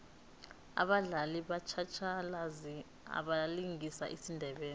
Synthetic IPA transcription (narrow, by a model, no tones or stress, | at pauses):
a̰ɓaɮaliɓat͡ʃʰat͡ʃʰalazi | a̰ɓaliŋisa̰ʔisindʱɛɓɛːni